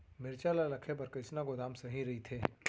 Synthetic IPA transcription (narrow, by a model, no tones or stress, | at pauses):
mɪɾt͡ʃaːlalɐkʰebɐɾkɪt͡ʃnaɡʊd̪aːmsɐɦĩɾɐɦit̪ʰeː